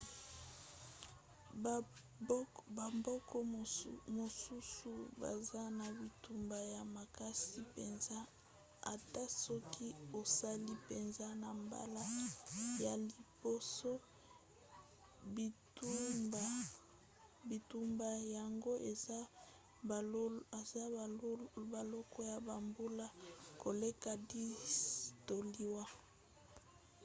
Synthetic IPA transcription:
ba˨mbɔ˦kɔ˦mo˨su˦su˨ba̰˨za˦na˨bi˨tu˨mba˨ja˨ma˨ka˦si˦pe˨nza˦ | a˨ta˦sɔ˦ki˦o˨sa˦li˦pe˨nza˦na˨mba̰˦la˦ja˨li˨bo˦so˦ | bi˨tu˦ba˨ | bi˨tu˦mba˨ja˨ŋɡo˦ʔe˨a˦˨ | e˨za˦ | ba˨lɔ˦kɔ˦ja˨ba˨mbu˦la˦ko˨le˦ka˨di˦sto˨li˦wa˦

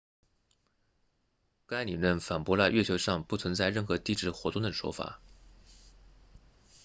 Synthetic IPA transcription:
ka˥ɪli˨˩lə˥˩nfa˨˩npwɔ˧˥la˥˧ɥɛ˥˩t͡ɕʰjo˧˥ʊʂɑ˥˧ŋpu˥˩t͡sʰwə˧˥nt͡sa˥˧ɪɻə˥˩nxɤ˧˥t̪i˥ʈ͡ʂɻ̩˥˩xwɔ˧˥t̪ʊ˥˩ŋd̪ə˩ʂwɔ̰˥fa̰˨˩˦

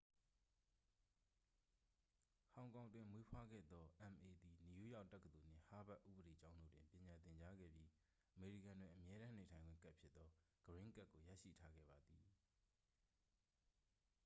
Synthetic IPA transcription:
hã˨ʊ̃ŋkã˨ʊ̃ndwɪ̃˨mwe˦pʰwa˦ɡɛ̰˦˨d̪ɔ˦ʔã˨nʔe˨d̪i˨ni˨jṵ˦˨ja˦ʊtːɛ˦kːət̪o˨n̥ɪ̰̃˦˨ha˦ba˦ʔṵ˦˨bəɾe˨t͡ɕã˦ʊ̃ndo̰˦˨dwɪ̰̃˨mpjɪ̃˨ɲã˨t̪ɪ̃˨ɲt͡ɕa˦ɡɛ̰˦˨bji˦ | ʔʔəme˨ɹḭ˦˨kã˨ndwɪ̃˨ʔəmjɛ˦ɾã˦ne˨tʰã˨ɪ̃ŋɡwɪ̰̃˦˨ka˦ʔpʰjɪ˦t̪t̪ːɔ˦ | ɡ̥əɹɪ̃˦ka˦ʔkːo˨ja̰˦˨ʃḭ˦˨tʰa˦ɡɛ̰˦˨ba˨d̪ði˨

